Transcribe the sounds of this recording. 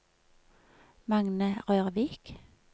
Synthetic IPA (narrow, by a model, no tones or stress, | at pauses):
mɑŋnəʁøːʁʋiːk